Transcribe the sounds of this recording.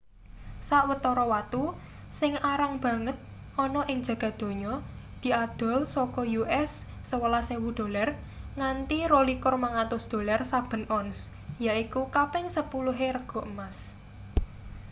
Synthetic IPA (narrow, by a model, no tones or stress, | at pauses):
saʔwət̪ɔɾɔwat̪u | sɪŋaɾaŋb̥ä̤ŋət̪̚ | ʔɔnɔʔɪŋd͡ʒ̥ä̤ɡ̥ä̤d̪̥o̤ɲɔ | d̪̥i̤ʔad̪̥ɔ̤lsɔkɔjuʔɛsː | əwəlasewud̪̥o̤lar | ŋant̪irolikʊrmaŋat̪ʊsd̪̥o̤larsab̥ə̤nɔns | jaʔikukapɪŋsəpuluɦeɾəɡ̥ɔ̤ʔəmas